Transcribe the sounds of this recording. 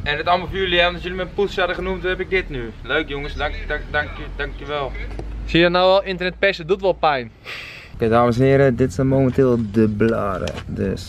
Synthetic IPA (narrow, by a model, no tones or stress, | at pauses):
ɛndɪtaməlˠfyːlɛɔndɔsjølimɛpusadəχənumtuɛpɪk̚dɪtnyløːkjoŋəsdaŋkjdaŋkjəʋɛlˠsiənawɛlˠɪntərnɛt̚pɛsədutʋɔlˠpɛjn | kedaːməsɛnhɪəɾədɪtsɛnmoːməntɪːlˠdəblaːɾə̰dø̰s